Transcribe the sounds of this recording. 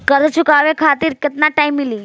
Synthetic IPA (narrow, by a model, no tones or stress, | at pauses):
kəɾət͡ʃʰukaʋẽkʰat̪iɾkət̪naʈaimːilĩ